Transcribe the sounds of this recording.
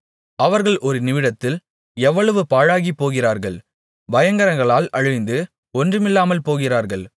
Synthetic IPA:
ɐʋɐɾɣɐɭʔɔɾɯnɪʋɪɽɐt̪ːɪl | ɛʋːɐɭɐʋɯpaːɻaːɣipːoːɣɪraːɾɣɐɭ | ʋɐjɐŋɡɐɾɐŋɡɐɭaːlɐɻɯɪnd̪ɯ | ɔndrɯmɪlːaːmɐlpoːɣɪraːɾɣɐɭ

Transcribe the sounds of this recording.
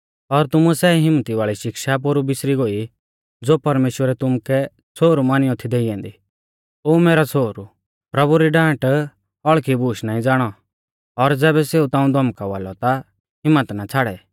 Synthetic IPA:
ɔɾt̪ʊmusɛːɦɪmːət̪iʋaːɭiʃɪkʃap̬oːɾubɪsɾiɡoːi | d͡zoːpɐɾmeːʃwəɾɛt̪ʊmukɛ | t͡sʰoːɾumaːnɪjɔ̃t̪ʰid̪eːiɛ̃ːnd̪i | oːmeːɾat͡sʰoːɾu | pɾɐbuɾiɖãːʈ | ɔɭkʰibuːʃnaːĩd͡zaːɽ̃ɔ | ɔɾd͡zɛːbɛseːut̪ãːũd̪ʱɔmkaʋaːlɔt̪a | ɦɪmːət̪nat͡sʰaːɽɛ

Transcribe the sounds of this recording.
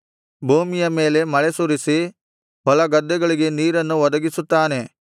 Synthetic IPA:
bʱuːmijɐme̞ːle̞mɐɭesuɾisi | bɔlɐɡɐd̪ːɛɡɐɭiɡe̞niːɾɐnːuʋɐd̪ɐɡisut̪ːaːne̞

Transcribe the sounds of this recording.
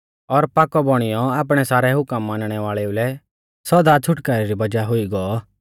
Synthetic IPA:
ɔɾpaːkɔbɔɽ̃ijɔaːp̬ɽ̃ɛsaːɾɛɦʊkəmːãːnɽ̃ɛʋaːɭɛulɛ | sɔd̪at͡ʃʰʊʈkaːɾɛɾibɐd͡ʒaɦʊiɡɔɔ

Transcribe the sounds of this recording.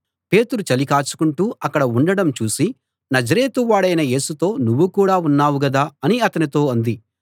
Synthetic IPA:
pe̞ːt̪uɾut͡ʃɐlikaːt͡ʃu̥kuɳʈuːɐkːɐɽɐuɳɖɐɽɐmt͡ʃuːsi | nɐd͡ʒɐɾe̞ːt̪uʋaːɽɐjnɐje̞ːsut̪o̞ːnuʋːukuːɽaːunːaːwuɡɐd̪aːɐniɐt̪ɐnit̪o̞ːɐnd̪i

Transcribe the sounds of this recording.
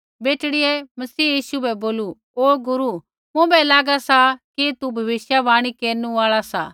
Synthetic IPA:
beːʈɽɪɛmɐsiːjiːʃubɛboːlu | oːɡʊɾu | mũbɛlaːɡasakit̪ubʱɐʋɪʃjaʋaːɽ̃ikeːɾnũaːɭasa̰ː

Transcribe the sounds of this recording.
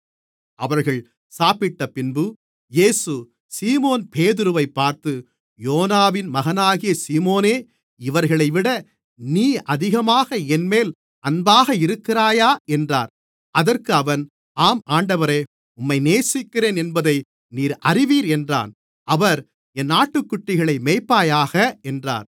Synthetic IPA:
ɐʋɐɾɣɐɭ | saːpɪʈːɐpɪnbɯ | jeːsɯ | siːmoːnpeːðɯɾɯʋɐɪpːaːɾt̪ɯ | joːnaːʋɪnmɐɣɐnaːɣɪjɐsiːmoːneː | ɪʋɐɾɣɐɭɐɪʋɪɽɐ | niːʔɐðɪɣɐmaːɣɐɛnmeːl | ɐnbaːɣɐɪɾɯkːɪɾaːjaːʔɛndra̰ːɾ | ʔɐðɐrkɯɐʋɐn | aːmaːɳɖɐʋɐɾeː | ʊmːɐɪneːsɪkːɪɾeːnɛnbɐðɐɪ | niːɾɐrɪʋiːɾɛndra̰ːn | ɐʋɐɾ | ɛnːaːʈːɯkːʊʈːɪɣɐɭɐɪmeːpːaːjaːɣɐɛndra̰ːɾ

